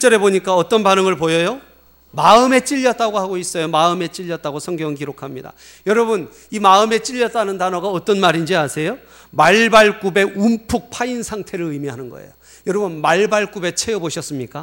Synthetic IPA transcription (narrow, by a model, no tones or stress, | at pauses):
it͡ɕ͈ʌɾe̞boɲik͈aʌt͈ʌnpanɯŋɯɭpojʌjo | maɯme̞t͡ɕ͈iʎːʌt̚t͈aɡoɦaɡois͈ʌjomaɯme̞t͡ɕ͈iʎːʌt̚t͈aɡosʰʌŋɡjʌŋɯɭkiɾokʰamɲida̰ | jʌɾʌbɯn | imaɯme̞t͡ɕ͈iʎːʌt͈anɯntanʌɡaʌt͈ʌnmaɾind͡ʑiasʰe̞jo | maɭbaɭk͈ube̞umpʰuk̚pʰainsʰaŋtʰe̞ɾɯɭɯjmiɦanɯnɡʌ̰ḛjo | jʌɾʌbɯnmaɭbaɭk͈ube̞t͡ɕʰe̞ʌboɕʰʌs͈ɯmɲik͈a